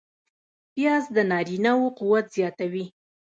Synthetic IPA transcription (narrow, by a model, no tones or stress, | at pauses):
pjɑzd̪ənɑɾinawoquwat̪z̥jɑt̪awi